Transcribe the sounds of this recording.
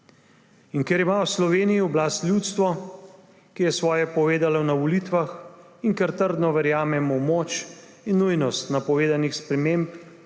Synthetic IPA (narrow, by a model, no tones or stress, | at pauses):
iŋkjɛɾimaːwslɔʋeːnijiɔblast̪lʲjuːt̪st̪ʋɔ | kijɛsʋɔːjɛpɔʋeːd̪alanaʋɔlit̪ʋax | iŋkɛɾt̪əɾd̪nɔʋɛɾjaːmɛmɔmoːt͡ʃ | inːujnɔst̪napɔʋeːd̪anixspɾɛmeːmp